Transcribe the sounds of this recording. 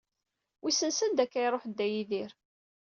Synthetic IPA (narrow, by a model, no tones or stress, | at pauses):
wʔisənsənd̪ækːæjɾˤoħd̪ːæjiðiɾ